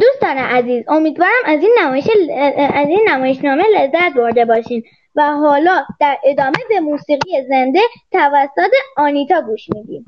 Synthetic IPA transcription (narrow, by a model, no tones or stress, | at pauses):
d̪̥uːst̪ɒːneʔæziːzo̞miːd̪vɒːɾæmæziːnːæmɒːjeʃeæziːnːæmɒːje̞ʃnɒːme̞lezːæt̪̚bo̞ɾd̪e̞bɒːʃiːm | væɦɒːlɒːd̪̥æɾʔe̞d̪ɒːme̞be̞muːsiːɣijeze̞nd̪e̞t̪ʰævæsːot̪eɒːniːt̪ʰɒːɡuːʃmiːd̪ḭːm